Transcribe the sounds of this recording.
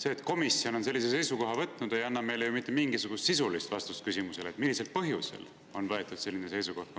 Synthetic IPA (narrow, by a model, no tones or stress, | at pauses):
se̞ːt̪ˑko̞misːio̞no̞nse̞lʲːis̬e̞se̞jsuko̞ɦɑvɤt̪ˑːnud̪e̞jɑnːɑme̞jlejumit̪ːˑemiŋɡ̥isuɡ̥ust̪sisulist̪vɑst̪uskysimuse̞le̞t̪milːiselt̪̚pɤɦjuse̞̰l | o̞nvɤe̞t̪ˑːud̪̥se̞lːinese̞jsuko̞htk